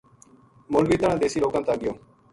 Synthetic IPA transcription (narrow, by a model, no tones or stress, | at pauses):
molɡiːt̪ənãd̪eːsiːloːkãmt̪aːɡɪjoː